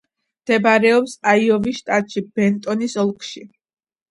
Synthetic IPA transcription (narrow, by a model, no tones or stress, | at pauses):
md̪̥ɛbaɾɛɔpsaiɔviʃt̪ʼat̪ʼʃibɛnt̪ʼɔnisɔlˠkʰʼʃi